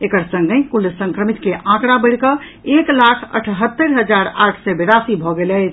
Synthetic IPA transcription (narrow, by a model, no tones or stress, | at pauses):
ekəɾsə̃ŋɡekulsə̃ŋkɾəmit̪keʔãkɾabəɽkə | eklakʰə̰ʈʰɦət̪ːəɾɦəd͡ʒaɾaʈʰsɛbeɾasibʱɔɡelɛt͡ʃʰ